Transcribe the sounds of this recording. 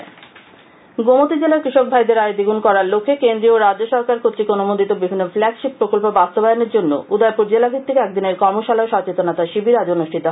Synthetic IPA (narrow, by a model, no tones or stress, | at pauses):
ɡomot̪id͡ʑelakɾiʃok̚bʱajd̪eɾaed̪iɡunkɔɾaɾlokʰːekend̪ɾioɾad͡ʑoʃɔɾkaɾkʰot̪t͡ɕikonomond̪it̪obibʱinːoflɛkʃip̚pɾokolpobast̪obajoneɾd͡ʑonːo̰ud̪aepuɾd͡ʑelabʱit̪ʰːikeɛk̚d̪ineɾkɔɾmoʃalaoʃɔt͡ɕet̪onat̪aʃibʱiɾad͡ʑonuʃʈʰit̪o